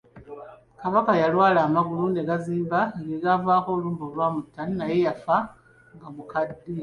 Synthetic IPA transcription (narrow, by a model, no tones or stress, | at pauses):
kaβakajalwaːlaːmaɡulunde̞ɡaziːmbaɡeɡavaːko̞ːluːmbolwaːmutːaninaje̞jafa | ŋɡaβukadːi